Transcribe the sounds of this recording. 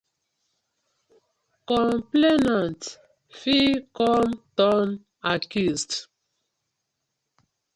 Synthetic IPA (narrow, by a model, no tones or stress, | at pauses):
kɔ̃mplenãnt | fikɔmtɔn | akjust